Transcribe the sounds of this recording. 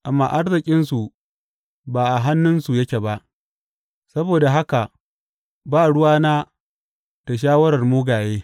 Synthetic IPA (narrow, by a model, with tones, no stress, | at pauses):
ʔa˨mːa̰ː˨ʔa˦rzɪ˨kʲʼɪ˦nsu˨ | baː˨ʔa˨ɦa˦nːʊ˦nsu˨jɐ˦kʲe˨ba˦ʔ | sɐ˦boː˨da˨ɦa˦ka˨ | baː˦˨ɽʊ˦waː˦naː˦ | ta˨ʃ̬aː˦wɐ˦ɽɐ˨rmuː˦ɡaː˨jeː˦